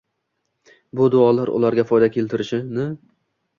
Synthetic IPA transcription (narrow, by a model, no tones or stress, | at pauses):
bʊd̪ʊɒlaɾʊ̰laɾɡʲafɒjd̪akʲʰe̞lt̪ʰɪɾɪʃɪnɪ